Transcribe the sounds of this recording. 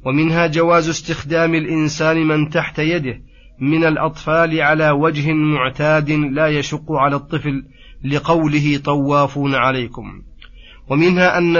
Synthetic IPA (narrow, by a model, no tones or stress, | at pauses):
wamɪnɦaːd͡ʒawaːzʊst̪ɪxd̪aːmɪlʔɪnsaːnɪmɪnt̪aħt̪ajad̪ɪh | mɪnalʔɑt̪ˤfɑːlɪʕalaːwad͡ʒhɪmʊʕt̪aːd̪ɪlaːjaʃʊqːʊʕalaːt̪ˤːɨflː | ɪqɑwlɪɦɪt̪ˤɑwːɑːfuːnaʕalajkʊm | wamɪnhaːʔanː